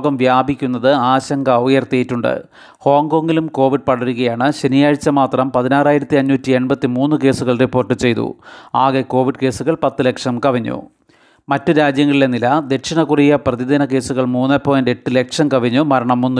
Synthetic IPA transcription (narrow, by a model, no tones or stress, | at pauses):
ɣɐmʋjaːbʱikʲːunːɐðɨaːɕɐŋɡɐɐʋjɐrt̪ijitːuɳɖɨ̰ | ho̞ːŋɡo̞ːŋɡilumko̞ːʋiɖ̚pɐɽɐɾuɣɐjaːɳɨɕenijaːɻt͡ɕːɐmaːt̪rɐmpɐðinaːraːjiɾɐt̪ːiɐɲːuːtːie̞nbɐt̪ːimuːnːɨke̞ːsuɣɐɭripːo̞ːrʈːɨt͡ɕe̞jt̪ṵaːɣeko̞ːʋiɖke̞ːsuɣɐɭpɐt̪ːɨle̞kʂɐmkɐʋɐɲːṵ | mɐtːɨɾaːd͡ʑjɐŋːɐɭilenilɐd̪e̞ʈʂɐnɐkurijɐprɐðid̪ɐnɐke̞ːsuɣɐɭmuːnːɐpːoːjɐndeʈːɨle̞kʂɐmkɐʋiɲːumɐɾɐɳɐmːunːu